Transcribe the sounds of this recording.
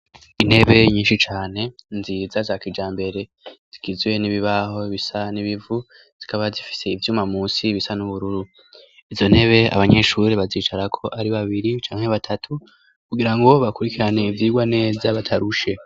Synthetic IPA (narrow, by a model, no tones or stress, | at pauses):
ine̞βe̞ɲiːnʃit͡ʃaːne̞nziːzazakid͡ʒaːmbe̞ɾe̞ | z̥iɡizwe̞niβiβaɦo̞βisaniβivu | z̥ikaβazifi̥se̞ivjuːmamuːsiβisanuβuɾuɾu | izo̞n̥e̞βe̞a̰βaɲe̞ʃuɾeβaziːt͡ʃaɾakʰo̞ʔaɾiβaβiɾit͡ʃaːŋhe̞βatʰatʰu | kuɡiɾaŋɡo̞βakuɾikiɾane̞ivjiːɡwane̞ːzaβatʰaɾuʃe̞